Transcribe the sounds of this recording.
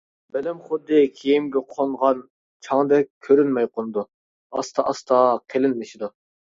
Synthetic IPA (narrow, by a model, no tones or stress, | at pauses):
belɪmχʊd̪ːɨkʲʰejimɡʲɛqʰoɴʁɑn | t͡ʃʰɑŋd̪ɛk̚ʲkʲʰːøɾynmɛjqonɨd̪u | ɑ̰st̪ʰɑʔɑst̪ʰɑqʰelɪnmɪʃid̪u